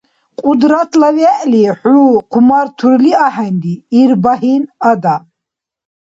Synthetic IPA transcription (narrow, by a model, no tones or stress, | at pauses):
qʼud̪ɾat̪ʰlavɛʔliħuqʰumaɾt̪ʰuɾliaħɛnd̪iːɾbaɦinad̪a